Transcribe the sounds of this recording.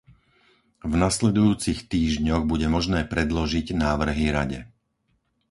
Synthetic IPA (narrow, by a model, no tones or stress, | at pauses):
vnaslɛd̪ujuːt͡sixt̪iːʒɲɔɣbuɟɛmɔʒnɛːpɾɛd̪lɔʒiɟnaːʋr̩ɦiɾaɟɛ̰